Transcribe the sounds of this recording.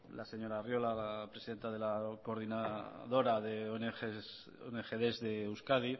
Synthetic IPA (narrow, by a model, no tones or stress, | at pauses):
lase̞ɲo̞ɾarjo̞lalapɾesiðe̞nt̪aðe̞lako̞ɾðinaðo̞ɾaðeonee | onexeðezðewskað̞i